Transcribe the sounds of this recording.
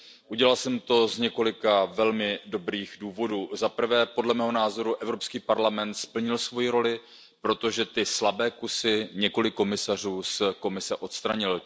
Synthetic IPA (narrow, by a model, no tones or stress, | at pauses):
ʔuɟɛlalsɛmt̪o̞zɲɛko̞lɪkavɛlmɪdo̞bɾiːxduːvo̞duːzapr̩vɛːpo̞dlɛmɛːɦonaːzo̞ɾuʔɛvɾo̞pskiːpaɾlamɛnt̪spl̩ɲɪlsvo̞jiɾo̞lɪ | pɾo̞t̪o̞ʒɛt̪ɪslabɛːkusɪɲɛko̞lɪkːo̞mɪsar̝uːsko̞mɪsɛʔo̞t̪st̪ɾaɲɪl